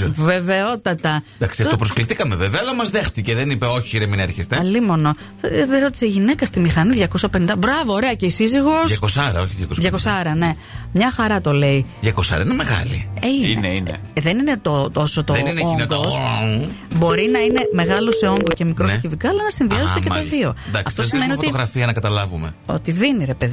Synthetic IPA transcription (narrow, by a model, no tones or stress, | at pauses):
ve̞ve̞o̞t̪ɐt̪ɐd̪aksopɾoskliθikɐmeveveɐɐlɐmɐzðext̪iceðenipeo̞çiiɾemineɾçest̪eɐlimono | ðeɾo̞t̪iseiʝine̞kɐst̪imixɐniðʝɐko̞sɐpenind̪ɐbɾɐvo̞ːɾe̞ɐce̞isiziɣo̞sʝɐkosɐɾɐoçiðʝɐkosðʝɐkosɐɾɐne̞ | mɲɐxɐɾɐt̪o̞le̞iðʝɐkosɐ̰ɾɐinemeɣɐ̰lḭinḛen̰ | ðe̞nine̞t̪ot̪o̞sot̪oðeninoŋnɡos | bo̞ɾinɐine̞me̞ɣɐloseoŋɡoce̞mikɾosscivikɐɐlɐnɐsinðiɐztekɐt̪ɐðio̞d̪ɐkɐfsft̪osimmenioft̪itoɣɾɐfiɐnɐkɐt̪ɐlɐvumeo̞̰t̪iðiniɾe̞pe̞ð